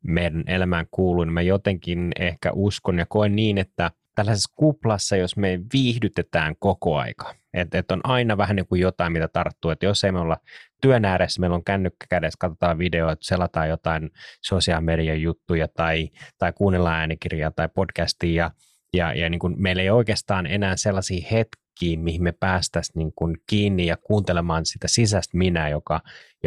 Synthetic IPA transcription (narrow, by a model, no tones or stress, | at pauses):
meidænʔelæmæːŋkuːluinimæjot̪eŋkinehkæ̰ʔuskonjɑkoinniːnet̪ːæ | t̪ælːæsesːkuplɑsːɑjosmeʋiːhdyt̪et̪æːŋkokoɑ̰ikɑ̥ | et̪et̪ːonʔɑinɑʋæhænniːŋkujot̪ɑimit̪æt̪ɑrt̪ːuːet̪josːeimeolːɑt̪yønæːɾesːæmeiloŋkænːykːæ̥kædeskɑt̪ot̪ɑːʋʋideot̪selɑt̪ɑːjot̪ɑinsosiɑlmeɾiɑjjut̪ːujɑt̪ɑit̪ɑikuːnːelːɑæːnikirjɑːt̪ɑipod̥kæst̪iːjɑ | jɑ̰jɑniːŋkunmeilːeioikeːst̪ɑːnḛnæːselːɑsiːhet̪kiːmihimmepæːst̪æsniːŋkunkiːnːijɑkuːnt̪elemɑːnsit̪æsisæst̪minæːjokɑj